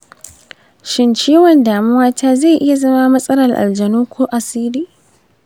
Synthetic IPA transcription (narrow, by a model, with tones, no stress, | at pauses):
ʃɪ˦nt͡ʃiː˦wɔ˨ndaː˨mʊ˦waː˦tʰaː˦ze˦˨ʔɪ˦ja˨zɐ˦maː˦mɐ˦sʼɐ˦lɐ˨rʔa̰˨ld͡ʒɐ˨noː˦kʷʰoː˦ʔa˨siː˦liː˦